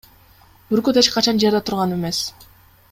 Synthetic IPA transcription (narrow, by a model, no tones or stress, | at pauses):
yɾkød̪et͡ʃqɑt͡ʃɑnd͡ʒeɾd̪et̪ʰuɾʁɑneme̞s